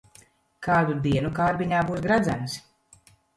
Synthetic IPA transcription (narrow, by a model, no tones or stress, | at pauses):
kʰaːd̪ud̪iɛnukaːɾbiɲaːbuːsɡɾad̪zæms